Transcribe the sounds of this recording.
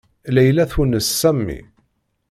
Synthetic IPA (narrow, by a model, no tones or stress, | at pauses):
læjlæθwənəsːæmːḭ